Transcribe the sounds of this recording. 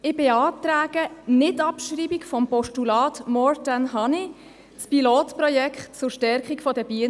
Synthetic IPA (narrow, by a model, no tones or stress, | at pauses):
ɪb̥eɑːtɾaːɡ̥ənɪtɑpʃriːbikfɔmpɔʃtulɑːtmɔɹtanɦɑni | t͡spiloːtprɔjɛkχtt͡sʊrʃtɛɾkikfɔdəbin